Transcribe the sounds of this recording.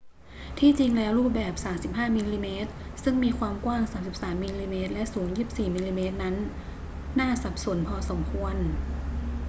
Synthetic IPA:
t̪ʰiː˥˩t͡ɕi˧ŋlɛː˦˥wɾuː˥˩p̚bɛː˨˩p̚saː˩˦msi˨˩p̚haː˥˩miː˧liː˧meː˦˥t̪̚sɯ˥˩ŋmiː˧kʰwaː˧mkwaː˥˩ŋsaː˩˦msi˨˩p̚saː˩˦mːiː˧liː˧meː˦˥t̪̚lɛ˦˥ʔsuː˩˦njiː˥˩p̚siː˨˩miː˧liː˧meː˦˥t̪̚na˦˥nː | aː˥˩sa˨˩p̚su˩˦ənpʰɔː˧so˩˦mkʰu˧ən

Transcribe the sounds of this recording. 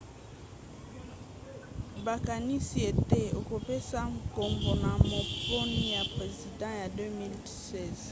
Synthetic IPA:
ba˨ka˨ni˦si˦e˨te˦o˨ko˨pe˦sa˦ŋ˨ko˨mbo˨na˨mo˨po˦ni˦ja˨pʁe˨zi˨dɑ̃˦ja˨dø˦mi˦lsɛ˦˨z

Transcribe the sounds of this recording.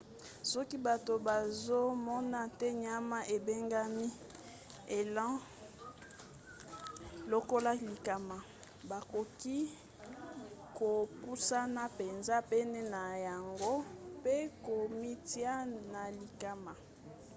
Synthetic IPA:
sɔ˦ki˦ba˨to˨ba˨zo˦mɔ˦na˦tɛ˦ɲ˦a˦ma˦ʔe˨be˦ŋɡa˦mi˦ | e˨lã˦ | lo˨ko˦la˦li˨ka˨ma˨ | ba˨ko˨ki˦ | ko˨pu˦sa˦na˦pe˨nza˦pe˦nɛ˦na˨ja˨ŋɡo˦pe˦ko˨mi˦ti˦a˦na˨li˨ka˨ma˨

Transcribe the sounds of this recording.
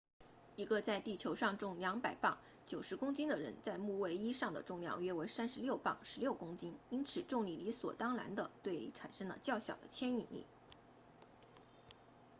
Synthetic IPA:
i˧˥ɡə˧t͡sa˥˧ɪt̪i˥˩t͡ɕʰjo˧˥ʊʂɑ˥˧ŋʈ͡ʂʊ˥˩ŋljɑ˧˥ŋpa˨˩ɪpɑ˥˩ŋ | t͡ɕjo˨˩ʊʂɻ̩˧˥kʊ˥ŋt͡ɕi˥nd̪ə˨ɻə̰˧˥nt͡sa˥˧ɪmu˥˧we˥˩ɪi˥ʂɑ˥˩ŋd̪ə̰˩ʈ͡ʂʊ˥˧ŋljɑ̰˥˩ŋɥɛ˥we˧˥ɪsa˥nʂɻ̩˧˥ljo˥˧ʊpɑ̰˥˩ŋʂɻ̩˧˥ljo˥˩ʊkʊ˥ŋt͡ɕi˥ni˥nt͡sʰɹ̩˨˩ʈ͡ʂʊ˥˧ŋli˥˩li˧˥swɔ̰˨˩t̪ɑ˥ŋla̰˧˥nd̪ə˧t̪we˥˩ɪlḭ˧˥˩ʈ͡ʂʰa̰˨˩nʂɤ˥ŋlə̰˨t͡ɕjɑ˥˩ʊɕjɑ˨˩ʊd̪ə̰˦t͡ɕʰjɛ˥ni˥˩nḭ˥˩

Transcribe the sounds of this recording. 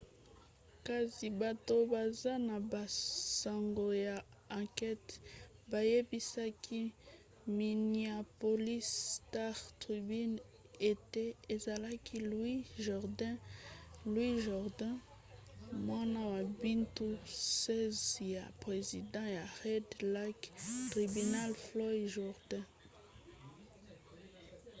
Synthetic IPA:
ka˨si˨ba˨to˦ba˨za˦na˨ba˨sa˨ŋɡo˨ja˨ | ã˨kɛ˦tba˨je˦bi˦sa˦kʰi˦ | mi˨ni˨a˨po˨li˦sta˦ʁtʁi˨bi˦n | e˨te˦e˨za˨la˦kʰi˦lwi˦ʒɔʁdɛ̃ | lwiʒɔʁd̪ɛ̃ | mwãnawa˨bint̪usɛzjapχezid̪ɑ̃ea˨ʁɛd̪lakt̪ʁibynalflɔjʒuʁd̪ɛ̃

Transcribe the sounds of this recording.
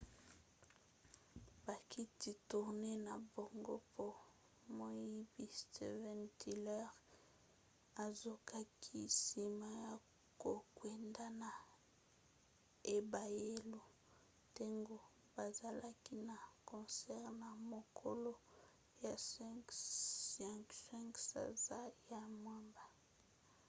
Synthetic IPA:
b̥a˨ki˦ti˨tu˨ʁne˦na˨bo˨ŋɡo˦pʰo˦ | mo˦jji˦bi˦ste˨vɛ˨ntʰi˦˨lɛ˦ʁ | a˨zo˨ka˦kʰi˦si˨ma˦ja˨ | ko˨kwe˨nda˦na˨ | e˨ba˨je˦lo˨ | ta˦ŋɡo˦ | ba˨za˨lʔa˦ki˦na˨kɔ̃˨sɛ˦ʁna˨mo˨kʰo˦lo˦ | ja˨sɛ˦k | ɛ˨ksɛ̃˦ŋksa̰˨za˦ja˨mwa˦mba˨

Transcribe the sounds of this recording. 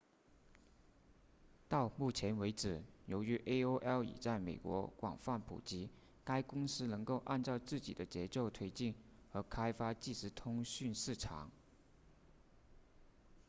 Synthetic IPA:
t̪ɑ˥˧ʊmu˥˩t͡ɕʰjɛ˧˥nwe˧˥ɪʈ͡ʂɻ̩˨˩jo˧˥ʊy˧˥ʔe˥ɪo˥ʊʔɛ˥ʊḭ˨˩t͡sa˥˩ɪme˨˩ɪkwɔ̰˧˥kwɑ̰˨˩ŋfa˥˩npʰṵ˨˩t͡ɕi˧˥ | ka˥ɪkʊ˥ŋsɹ̩˥nɤ˧˥ŋko˥˧ʊʔa̰˥˧nt͡sɑ˥˧ʊt͡sɹ̩˥˩t͡ɕḭ˨˩d̪ə˦t͡ɕjɛ˧˥t͡ɕjo˥˩ʊt̪ʰwe˥ɪt͡ɕi˥˩nxɤ˧˥kʰa˥ɪfa˥t͡ɕi˥˩ʂɻ̩˧˥t̪ʰʊ˥ŋɕy˥˧nʂɻ̩˥˩ʈ͡ʂʰɑ̰˨˩˦ŋ

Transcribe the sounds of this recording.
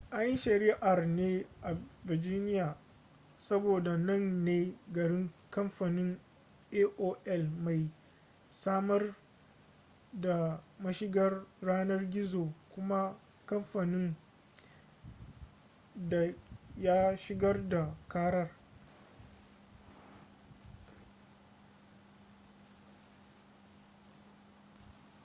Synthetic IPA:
ʔa˦jji˦ʃɐ˨ɾi˦ʔa˨rneː˦ʔa˨vɪ˨rd͡ʒɪː˦nɪ˦jaː˨ | sɐ˦boː˨da˨nɐ˦˨nːeː˦ɡɐ˨ɽɪ˦ŋkɐ˦mɸa˨nɪ˦ŋ | ʔeː˦ʔoː˦ʔɛ˦lma˨j | saː˦mɐ˦r | da˨mɐ˦ʃɪ˦ɡɐ˦rːaː˦nɐ˦rɡʲɪ˦zoː˨kʷʊ˦ma˦ | kɐ˦mɸa˨nɪ˦ŋ | da˨ja˦ʃɪ˦ɡɐ˦rda˨kaː˦ɽɐ˦r

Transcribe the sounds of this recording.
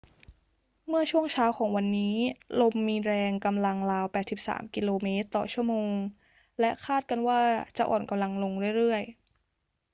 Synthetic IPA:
mɯ˥˩ɐət͡ɕʰu˥˩əŋt͡ɕʰaː˦˥wkʰɔː˩˦ŋwa˧nːiː˦˥lo˧mːiː˧ɾɛː˧ŋka˧mla˧ŋlaː˧wpɛː˨˩t̪̚si˨˩p̚sa̰ː˩˦mki˧loː˧meː˦˥t̪ːɔː˨˩t͡ɕʰu˥˩əmoː˧ŋ | lɛ˦˥ʔkʰaː˥˩t̪̚ka˧nwaː˥˩t͡ɕa˨˩ʔɔ̰ː˨˩nka˧mla˧ŋlo˧ŋɾɯ˥˩əjɾɯ˥˩əj

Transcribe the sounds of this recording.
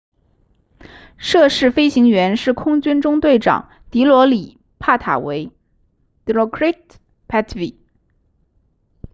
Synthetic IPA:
ʂɤ˥˧ʂɻ̩˥˩fe˥ɪɕi˧˥ŋɥɛ˧˥nʂɻ̩˥˩kʰʊ˥ŋt͡ɕy˥nʈ͡ʂʊ˥ŋt̪we˥˩ɪʈ͡ʂɑ̰˨˩˦ŋ | t̪i˧˥lwɔ˧˥li˨˩ | pʰa˥˩t̪ʰa̰˨˩we˧˥ɪ | t̪lɔ˧˥kʰɹa˥t̪ | pʰa˥t̪ʰvi˨˩˦

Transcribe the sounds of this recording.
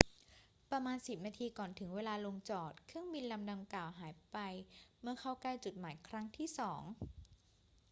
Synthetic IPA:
pɾa˧maː˧nsi˨˩p̚naː˧t̪ʰiː˧kɔː˨˩nt̪ʰɯ˩˦ŋweː˧laː˧lo˧ŋt͡ɕɔː˨˩t̪̚kʰɯ˥˩əŋbi˧nla˧mda˧mklaː˨˩wɦaː˩˦jpa˧jmɯ˥˧ɐkʰa˥˩wklaː˥˩jt͡ɕu˨˩t̪̚maː˩˦jkʰɾa˦˥ŋt̪ʰiː˥˩sɔː˩˦ŋ

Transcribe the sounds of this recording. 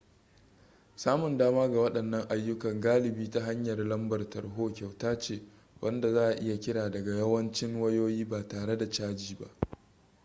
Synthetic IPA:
saː˦mʊ˨ndaː˦maː˦ɡa˨wɐ˦ɗɐ˨nːɐ˦ŋʔa˨jːʊ˦kɐ˨ŋɡaː˦lɪ˨biː˦ta˦ɦa˦ɲjɐ˨rlɐ˦mbɐ˨rtɐ˨rɦoː˦kʲa˨wtaː˦t͡ʃeː˦˨ | wʔɐ˦nda˨zaː˦ʔa˨ʔɪ˦ja˨kʲɪ˦ɽaː˨dɐ˨ɡa˨jɐ˦wɐ˦nt͡ʃɪ˦ŋwɐ˦joː˦jiː˦baː˨taː˨ɽe˦da˨t͡ʃaː˦d͡ʒiː˨ba̰˦ʔ

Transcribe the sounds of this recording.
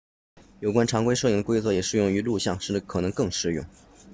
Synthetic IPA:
jo˨˩ʊkwa˥nʈ͡ʂʰɑ˧˥ŋkwe˥ɪʂɤ˥˧˩i˥˩ŋd̪ə˧kwe˥ɪt͡swɤ˥˩jɛ˨˩ʂɻ̩˥˧jʊ˥˩ŋy˧˥lu˥˧ɕjɑ˥˧ŋʂ̩˥˩ʈ͡ʂə˩kʰɤ˨˩nɤ˧˥ŋkɤ˥˧ŋʂɻ̩˥˧jʊ̰˥˩ŋ

